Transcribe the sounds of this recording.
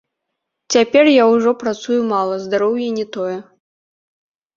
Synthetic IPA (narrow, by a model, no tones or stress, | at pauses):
t͡sʲapʲɛrjawʐɔpɾat̪sujumalˠɐzd̪aɾɔwjɛnʲɛt̪ɔjɛ